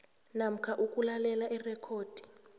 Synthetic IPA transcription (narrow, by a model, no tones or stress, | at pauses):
nam̩kʰaʔukʼulalɛlaʔirɛkʰoːd̥ʱi̥